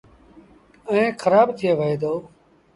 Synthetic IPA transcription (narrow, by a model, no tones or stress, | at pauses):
əẽːxʰəɾaːbt̪ʰɪjeːʋəɦeːd̪oː